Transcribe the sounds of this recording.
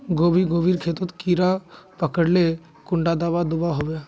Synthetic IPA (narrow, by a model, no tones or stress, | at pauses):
ɡoːbiɡoːʋiːɾkʰeːt̪ət̪kiːɾapəkəɽle | kʊ̃ɳɖad̪aːʋad̪ʊbaɦoʋe